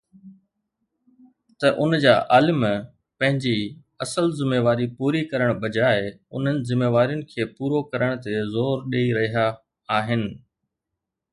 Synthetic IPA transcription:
t̪ɐʔʊnd͡ʑaːʔaːlɪm | pɐ̃ɦɪ̃ɲd͡ʑi | ɐsəlzɪmeːʋaːɾipuːɾikɐɾəɽ̃ɓɐd͡ʑaːɪʊ̰n̤ənɪ̆zɪmːeːʋaːɾijʊnɪ̆kʰeːpuːɾokɐɾəɽ̃t̪ezoːɾɗeːiɾɐɦijaː | ɦɪnɪ̆

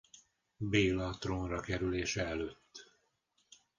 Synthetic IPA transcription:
beːlɒt̪ronrɒkɛɾyleːʃɛɛløːt̪ː

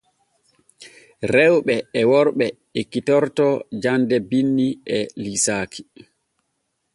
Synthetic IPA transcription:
ɾɛwɓɛːwɔɾɓɛ | ekitɔɾtɔd͡ʒandɛbinːiɛlisaːkʰi̥

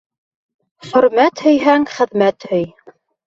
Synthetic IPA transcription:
χɵ̆ɾmæt̪hɵ̆jɦæŋχɘ̆ðmæt̪hɵj

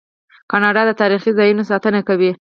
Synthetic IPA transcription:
kɑnɑɖɑd̪ət̪ɑɾixizɑjunosɑt̪ənakawi

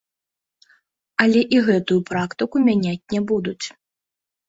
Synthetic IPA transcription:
ɐlʲɛʔiɣɛt̪ujupɾakt̪ɨkumʲanʲat͡sʲnʲɛbud̪ut͡sʲ

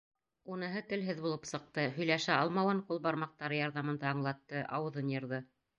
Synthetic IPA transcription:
unɤ̆ɦɤt̪ɘ̆lɦɘðbulˠɤpsɤ̆q̚t̪ɤhɵ̆jlæʃæɑlˠmɑwɤɴqulˠbɑɾmɑq̚t̪ɑɾɤjɑɾðɑmɤ̆nd̪ɑɑɴlˠɑt̪ːɤʔɑwɤ̆ðɤnjɤ̆ɾðɤ

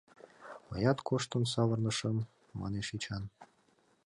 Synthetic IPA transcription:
mɤ̰jɑt̪kʰoʃt̪ə̆nsɑβɤ̆rnə̆ʃəmː | ɑ̰neʃit͡ɕɑn

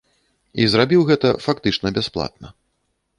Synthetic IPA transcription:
izrabʲiwɣɛt̪ɐfakt̪ɨt͡ʂnɐbʲɛsplˠa̰t̪̚nɐ

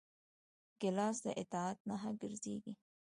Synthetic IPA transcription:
ɡɪlɑsd̪əʔɪt̪ɑat̪̚naɦaɡəɾzḛɡi

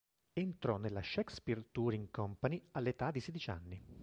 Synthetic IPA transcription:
ent̪ɾɔnːelːaʃɛkspirt̪uɾiŋkɔmpanialːet̪ad̪ːisɛd̪it͡ʃa̰nːi

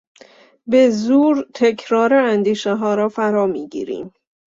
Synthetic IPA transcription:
be̞zuːɾt̪ʰecʰɾɒːɾeænd̪iːʃeɦɒːɾɒːfæɾɒːmiːɟḭːɾḭːm

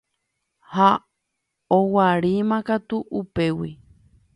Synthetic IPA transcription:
ha | owaɾimãkat̪uʔupe̞wi

